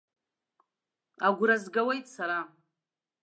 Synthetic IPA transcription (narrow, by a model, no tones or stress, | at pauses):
aɡʷɾazɡawe̞jtʼsaɾa